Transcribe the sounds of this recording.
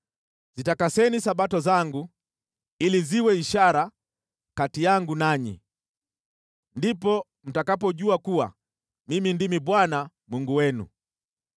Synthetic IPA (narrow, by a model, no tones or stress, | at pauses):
zitakasɛnisaɓatɔzaŋɡu | iliziwɛiʃaɾa | katijaŋɡunaɲḭ | ndipɔ | m̩takapɔɟuakuwa̰ | mimindimibwana | muŋɡuwɛnṵ